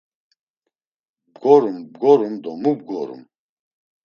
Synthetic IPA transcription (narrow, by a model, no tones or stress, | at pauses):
bɡɔɾumbɡɔɾumd̪ɔmubɡɔɾṵm